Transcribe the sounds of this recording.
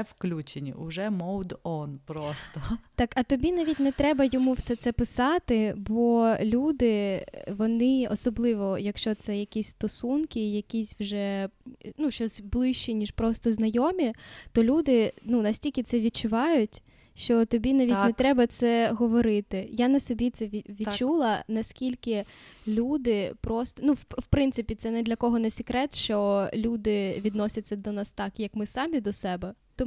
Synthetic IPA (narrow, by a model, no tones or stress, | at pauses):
wklʲut͡ʃenʲḭʔʊʒɛmɔwd̪ɔnpɾɔst̪ɔt̪ɑkɐt̪ɔbʲinaʋʲitʲnɛt̪ɾɛbɐjɔmuwsɛt̪sɛpɪsɑt̪ɪbɔlʲud̪ɪʋɔnɪɔsɔblˠɪʋɔjɐkʃt͡ʃɔt̪sɛjɐkʲisʲst̪ɔsunkʲɪjɐkʲisʲwʒɛnuʃt͡ʃɔsʲblˠɪʃt͡ʃinʲiʃpɾɔst̪ɔznɐjɔmʲit̪ɔlʲud̪ɪnunɐsʲtʲilʲkʲɪt̪sɛʋʲid̚t͡ʃʊʋɑjʊtʲ | ʃt͡ʃɔt̪ɔbʲinaʋʲit̪ʲnɛt̪ɾɛbɐt̪sɛɦɔʋɔɾɪt̪ɪjanɐsɔbʲit̪sɛʋʲiʋʲit͡ʃːulˠɐnɐsʲkʲilʲkɪlʲud̪ɪpɾɔst̪ɔnuwwpɾɪnt̪sɪpʲit̪sɛnɛd̪lʲɐkɔɦɔnɛsʲɪkɾɛt̪ʃt͡ʃɔlʲud̪ɪʋʲid̪nɔsʲɐt͡sʲːɐd̪ɔnɑst̪ɑkjɐkmɪsɑmʲid̪ɔsɛbɛt̪ɔ